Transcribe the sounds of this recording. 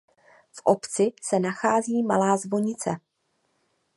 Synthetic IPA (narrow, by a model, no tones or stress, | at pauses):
fʔo̞pt͡sɪsɛnaxaːziːmalaːzvo̞ɲɪt͡sɛ̰